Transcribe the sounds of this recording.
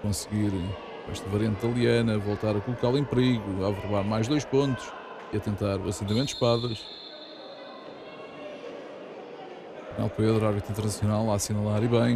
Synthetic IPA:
kõsɣiɾ | ɛ̰ʃt̪ɐvɐɾiɐ̃nt̪̚d̪ɐlˠiɐnɐvolˠt̪aɾɐkulˠukalˠẽmpɾiɣuavɨɾβaɾmajʒðojʃpõnt̪u̥ʃ | iɐt̪ẽnt̪aɾuɐsẽnt̪̬ɐmẽt̪ːʃpaðɐʃ | ɐna̰lˠpeðɾuaɾβit̪ĩnt̪ɨɾnɐsjunalˠːasinɐlˠaɾiβɐ̃j̃

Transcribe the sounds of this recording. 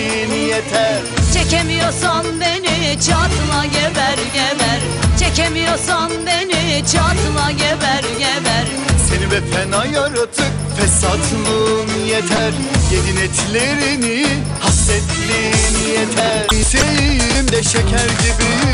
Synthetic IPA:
nijet̪ʰæɾt͡ʃʰecʰemijosanbenit͡ʃʰat̪ʰɯlˠajevæɾjevæɾ | t͡ʃʰecʰemijosanbenit͡ʃʰat̪ʰɯnajevæɾjevæɾ | senivɛfʰɛnajaɾɯt̪ʰɯk | vɛsat̪ʰlɯn | jet̪ʰæɾ | jed̪inet̪ʰlʲeɾini | hast̪ɛt̪linijet̪ʰæɾsejijilimd̪ɛʃecʰæɾɟibi

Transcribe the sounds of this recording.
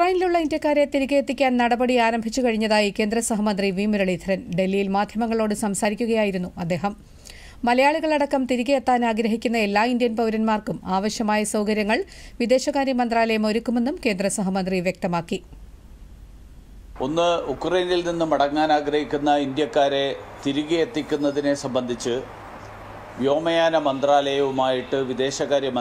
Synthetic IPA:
ukrɐjniluɭːɐind̪jɐkːaːɾet̪iɾiɣɐjet̪ːikʲːaːnnɐɽɐbɐɽiaːɾɐmbʱit͡ɕːukɐɻiɲːɐðaːjike̞ːnd̪ɾɐsɐɦɐmɐnd̪riʋiːmuɾɐɭiːt̪ʰɐɾɐnɖe̞lːijilmaːd̪ʱjɐmɐŋːɐɭo̞ːɽɨsɐmsaːɾikʲːuɣɐjaːjiɾunːuɐd̪ːe̞ːɦɐmː | ɐlɐjaːɭuɣɐɭɐɽɐkːɐmt̪iɾiɣɐjet̪ːaːnaːɡɾɐɦikʲːunːɐe̞lːaːind̪jɐnpɐwɾɐnmaːrkumaːʋɐɕjɐmaːjɐsɐwkɐɾjɐŋːɐɭʋid̪e̞ːɕɐɣaːɾjɐmɐnd̪raːlɐjɐmo̞ɾukːume̞nːumke̞ːnd̪rɐsɐɦɐmɐnd̪riʋjek̚t̪ɐmaːkːi | onːɨukrɐjnilninːɨmɐɽɐŋːaːnaːɡɾɐhikʲːunːɐind̪jɐkːaːɾe̞t̪iɾuɣijet̪ːikʲːunːɐðine̞sɐmbɐnd̪ʱit͡ɕːɨ | ʋjo̞ːmɐjaːnɐmɐnd̪raːlɐjɐʋumaːjiʈːɨʋid̪e̞ːɕɐɣaːɾjɐ

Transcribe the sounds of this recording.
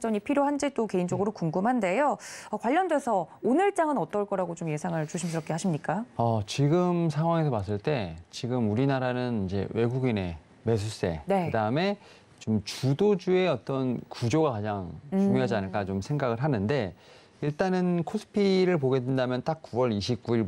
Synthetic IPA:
t͡ɕ͈ʌɲipʰiɾjoɦand͡ʑet͈oke̞ind͡ʑʌɡɯɾokuŋɡɯmɦande̞joʌkwaʎːʌndwe̞sʰʌonɯɭt͡ɕ͈aŋɯnʌt͈ʌɭk͈ʌɾaɡot͡ɕomje̞sʰaŋɯɭt͡ɕuɕʰims̬ɯɾʌp̚k͈ʰeɦaɕʰimɲik͈aʌt͡ɕiɡɯmsʰaŋɦwaŋe̞s̬ʰʌmas̬͈ɯɭt͈e̞t͡ɕiɡɯmuɾinaɾanɯnind͡ʑe̞̰we̞ɡuɡine̞ | me̞s̬ʰus͈e̞̰ne̞kɯdaɯme̞ | t͡ɕomt͡ɕudod͡ʑue̞ʌt͈ʌnkud͡ʑoɡakad͡ʑaŋt͡ɕuŋjoɦad͡ʑianɯɭk͈at͡ɕomsʰe̞ŋɡaɡɯɭɦanɯnde̞ | iɭt͈anɯnkʰos͈ʰɯ̥pʰiɾɯɭp̬oɡe̞dwendamjʌnt͈ak̚k͈uwʌɾiɕʰip̚k͈uiɭ

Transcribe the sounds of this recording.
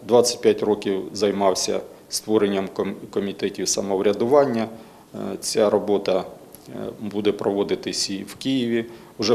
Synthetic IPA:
d̪ʋɑt͡sʲɐ̥t̚ʲpjatʲrɔkʲiwzɐjmɑwsʲɐ̰ | st̪ʋɔɾenʲːɐmkɔmʲit̪ɛtʲiwsɐmɔwɾʲɐd̪ʊʋɑnʲːɐ | t͡sʲaɾɔbɔt̪ɐ | bud̪ɛpɾɔʋɔd̪ɪt̪ɪsʲiwkijiʋʲi | ʊʒɛ

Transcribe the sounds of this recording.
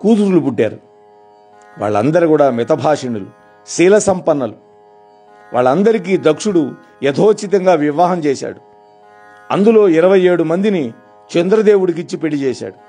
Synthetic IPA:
kuːt̪uɾulupuɖːa̰ːɾu | ʋa̰ːɭːɐ̰nd̪ɐɾikuːɽaːmɛt̪ɐbʱaːʂiɳulṵ | siːlɐsɐmpɐnːɐlu | ʋa̰ːɭːɐnd̪ɐɾik̬iːd̪ɐkʂuɽu | ɛd̪ʱoːt͡ʃːit̪ɐŋɡaːʋiʋaːɦɐmt͡ʃɛːsa̰ːɽu | ɐ̰nd̪ulo̞ːiɾɐʋɐje̞ːɽumɐnd̪ini | t͡ʃend̪ɾɐd̪eːwuɽik̬it͡ʃːipe̞ɽit͡ʃɛːsa̰ːɽu

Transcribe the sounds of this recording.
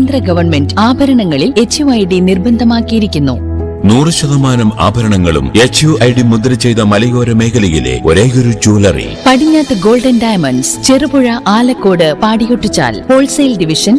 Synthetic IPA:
nd̪rɐɡɐʋɐrnme̞ndaːbʱɐɾɐɳɐŋːɐɭile̞t͡ɕːjuɐjɽinirbɐnd̪ʱɐmaːkːijiɾikʲːunːu | nuːrɨɕɐðɐmaːnɐma̰ːbʱɐɾɐɳɐŋːɐɭṵmet͡ɕːjuʔɐjɽimud̪ɾɐt͡ɕe̞jt̪ɐmɐlɐjoːɾɐme̞ːkʰɐlijilḛo̞̰ɾeːɣoɾud͡ʑoːlɐrḭpɐɽiɲːaːt̪ːɨɡo̞ːlɖɐnɖɐjɐmɐnst͡ɕerɨbuɻɐʔaːlɐkːo̞ːɽɨpaːɽijoʈːit͡ɕːa̰ːlpo̞ːɭsɐjlɖiʋiʂɐn

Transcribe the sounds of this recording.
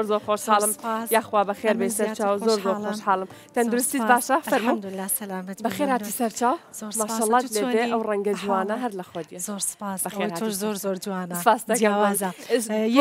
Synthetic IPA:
oɾzoːɾxoːʃhaːlɨmjaːxwaːbɐxeːɾbesɐɾt͡ʃaːwzoːɾzoːxoːʃħaːlɨm | t̪ʰɐnd̪uɾust̪iːbaːʃɐfɐɾmuː | bɐxeːɾhaːt̪iːsɐɾt͡ʃaːwmaːʃaːlːɑːt̪leːbeʔɐwrɐŋɡɐd͡ʒwaːnɐɦɐɾlɐxwɐd̪ije̥bɐxeːɾɾhaːiɾspaːst̪ɐka

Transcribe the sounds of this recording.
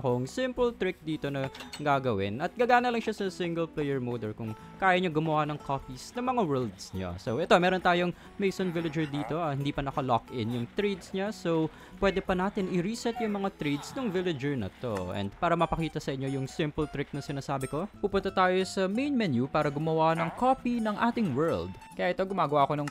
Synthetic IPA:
ɐkoŋsɪmpʊlt̪ɾɪk̚d̪iːt̪o̞nɐɡaːɡɐwɪnɐt̪̚ɡɐːɡaːnɐlɐŋʃasɐsɪŋɡɛlplɛjɛɹmowd̪ɛɹkʊŋ | kaːjɐɲaɡʊmɐwanɐŋkʰopisnɐŋmɐŋawɛld̪sɲa̰sowʔɛt̪o̞mɛːɾont̪aːjoŋ | mejsonvɪlɐd͡ʒɛɹd̪iːt̪o̞ɐhɪnd̪iːpɐnɐkɐlokʔɪnjʊŋt̪ɾejd̪sɲasow | pwɛːd̪ɛpɐnaːt̪ɪnɪɾisɛt̪jʊŋmɐŋat̪ɾed̪snoŋvɪlɛd͡ʒɛɹnɐ̰t̪oʔɛ̰nd̪̚paːɾɐmɐpɐkiːt̪ɐsɐʔɪɲːo̞jʊŋsɪmpʊlt̪ɾɪk̚nɐsɪnaːsaːbɪko̞pupʊnt̪ɐt̪aːjo̞sɐmejnmɛnjupaːɾɐɡʊmɐwanɐŋkopinɐŋʔaːt̪ɪŋwɛ˞ld̪ | kɐjaʔɛt̪oɡʊmaːɡɐwaʔɐkonɐŋ

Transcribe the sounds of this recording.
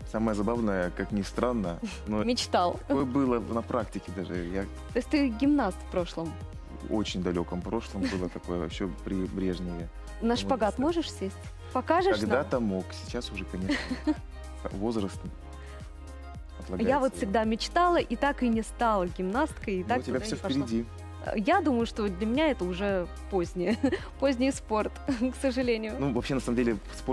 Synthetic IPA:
saməjəzɐbavnəjəkaknʲɪst̪ɾanːə | nomʲɪt͡ɕt̪alˠɐojəbɨlˠənɐpɾʔaktʲɪkʲɪd̪aʐɨ̰ja | t̪osʲt̪ɨɡʲɪmnast̪fpɾo̞ʂlˠəm | o̰t͡ɕɪnʲd̪ɐlʲo̞kəmpɾo̞ʂlˠəmbɨlˠət̪ɐko̞jəvɕːopɾʲɪbɾʲe̞ʐnʲɪjɪ | naʂpɐɡat̪mo̞ʐɨʂsʲesʲtʲ | pɐkaʐɨkɐʂɡd̪at̪əmo̞ksʲɪ̥t͡ɕasʊʐɛkɐnʲeʂnə̰ | vo̞zɾəst̪ | ɐt̪lˠɐɡjavot̪fsʲɪɡ̚d̪amʲɪt͡ɕt̪alˠəʔit̪akɨnʲɪst̪alˠəɡʲɪmnast̪ʲkəjɪt̪aktʲɪbʲafsʲofpɪɪɾʲɪdʲḭ | jad̪uməjʊʂt̪od̪lʲəmʲɪnʲaɛt̪əʊʐɛ | pozʲnʲɪjə | pozʲnʲɪjspo̞rt̪ksəʐɨlʲenʲɪjʊnuvɐpɕːenɐsaməmdʲelʲɪspo

